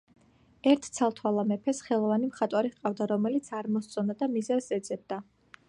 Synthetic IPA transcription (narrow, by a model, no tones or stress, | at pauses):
ɛɾt̪ʰt̪sʰalˠt̪ʰwalˠamɛpʰɛsχɛlˠɔvanimχat̪ʼwaɾiqʼavd̪aɾɔmɛlit̪sʰaɾmɔst̪sʼɔnd̪ad̪amizɛvsɛd̪zɛb̚d̪a